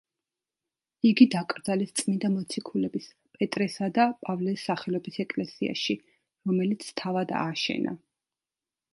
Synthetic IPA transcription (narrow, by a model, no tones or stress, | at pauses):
iɡid̪akʼɾd̪zalist̪sʼmind̪amɔt̪sʰikʰulɛbis | pʼɛt̪ʼɾɛsad̪apʼavlɛsːaχɛlɔbisɛkʼlɛsia̰ʃi | ɾɔmɛlit̪sʰt̪ʰavad̪a̰ʃɛ̰na̰